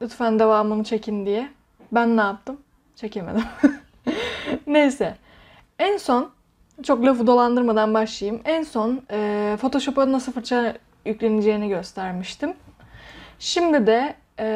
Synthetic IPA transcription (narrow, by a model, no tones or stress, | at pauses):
yt̪fænd̪evaːmɯnɯt͡ʃʰe̞cʰind̪ijɛ | bænːaːp̚t̪ʰɯm | t͡ʃʰe̞cemḛd̪im | nejsɛ | ænso̞n | t͡ʃʰo̞klʲefud̪o̞lˠand̪ɯɾmad̪anbaʃlˠajɯmænso̞nɯːfo̞t̪ʰo̞ʃo̞paɯnasɯlfɯɾt͡ʃʰa | jyclʲe̞nid͡ʒe̞jiniɟø̞st̪ʰæɾmiʃt̪ʰim | ʃimd̪id̪ɛ